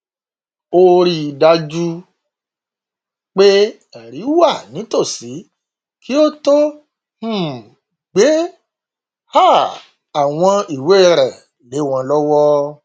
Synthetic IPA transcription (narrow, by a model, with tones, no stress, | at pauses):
o˧ɾi˦˧da˧d͡ʒu˦ | k͡pe˦ | ɛ˨ɾi˨˦wa˦˨nĩ˨˦to˦˨si˨˦ | kʰi˦o˦to˦ | h̩˦˨ | ɡ͡be˨˦ | ha˦˨ | a˨w̃ɔ̃˧i˨we˨˦˨ɾɛ˨ | le˨˦w̃ɔ̃˧lɔ˦wɔ˦